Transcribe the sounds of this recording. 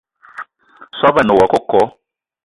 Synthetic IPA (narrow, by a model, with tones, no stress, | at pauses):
sʷa˦βa˨no˨wa˨kɔ˦kɔ˦